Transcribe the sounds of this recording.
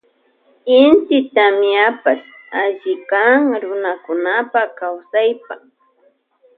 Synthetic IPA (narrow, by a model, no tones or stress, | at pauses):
ɪnt̪ɪt̪amɪapas | aʎɪkaŋɾʊnakʊnapakawsajpa